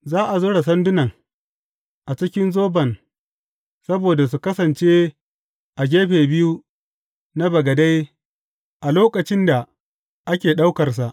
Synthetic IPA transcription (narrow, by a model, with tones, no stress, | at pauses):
zaː˦ʔa˨zʊ˦ɽa˨sɐ˦ndʊ˦nɐ˨ŋ | ʔa˨t͡ʃɪ˦kʲɪ˦nzoː˦bɐ˨n | sɐ˦boː˨da˨s̬u˨kɐ˦sɐ˨nt͡ʃe˦ | ʔa˨ɡ̬ʲeː˦ɸeː˨bɪ˦ju˦ | na˦bɐ˨ɡɐ˨da˦j | ʔa˨loː˦kɐ˨t͡ʃɪ˦nda˨ | ʔa˦kʲeː˨ɗa˦wkɐ˨rs̬a˨ʔ